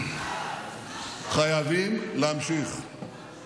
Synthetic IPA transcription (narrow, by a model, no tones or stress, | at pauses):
χajavimleamʃiχ